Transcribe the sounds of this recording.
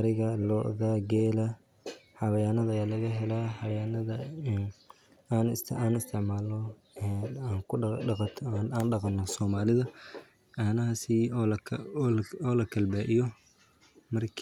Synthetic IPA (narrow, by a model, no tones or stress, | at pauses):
ɐɾɪɣɐlɔʔɣɐɡɛːlɐ | ħɑβɐjanɐðɐjaːlɐɣɐɦɛlaːħɑβjanɐðɐn | aːnsaːnɪst̪ʰɪʕmaːlɔ | aːŋkt̪ʰːnaːnɖɑqɑnːɔsɔːmaːlɪðɐ | ɐnɐhɐsilɐlɔːlɐkʰɐlbaːʔɪjɔ | mɐrkʰ